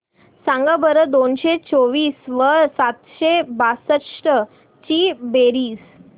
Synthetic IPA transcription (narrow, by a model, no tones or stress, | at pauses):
sãŋɡabəɾəd̪onɕet͡soʋiːsʋəɾsat̪ɕebasət̪ʂʈə | t͡ɕiːbeɾiːs